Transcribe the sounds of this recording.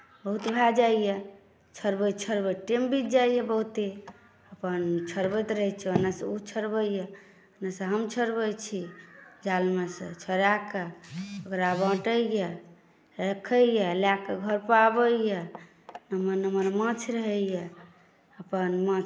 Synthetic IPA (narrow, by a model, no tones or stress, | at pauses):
bəɦut̪bʱad͡ʒaije | t͡ʃʰəɾbəjt͡ʃʰəɾbəʈembit̪̚d͡ʒaijebəɦut̪e | əpənt͡ʃʰəɾbət̪ɾəɦɛt͡ʃʰiənasəut͡ʃʰəɾbəje | ənasə̃ɦəmt͡ʃʰəɾbəjt͡ʃʰid͡ʒalmesḛ̃t͡ʃʰəɾakeokɾabə̃ʈəje | ɾəkʰəjelakeɡʱəɾpabəije | nəməɾnəməɾmə̃t͡ʃʰɾəɦəjɛ | əpənmət͡ʃʰ